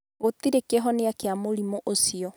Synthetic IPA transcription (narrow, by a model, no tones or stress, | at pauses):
ɣot̪iɾekeɦɔneakeamoɾimoʔosiɔ